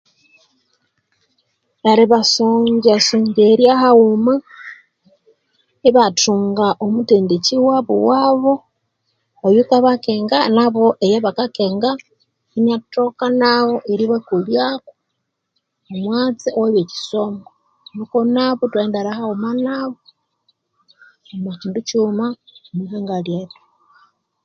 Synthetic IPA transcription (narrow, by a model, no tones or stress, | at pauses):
βaɾiβasuɲɟasuːɲɟeɾjahauma | iβatuːŋɡaʔomuteːndeciwaβṵwaːβo̞ | ojukaβakeːŋɡanaβoʔejeβakakeŋɡa | inatokanawoʔiɾiβekuljako̥ | omwaːt͡siowaβeci̥somɡo | nukonaβotwaendaɾahaomanaβo | omahiːnducumaomiɦaːŋɡaljeto̥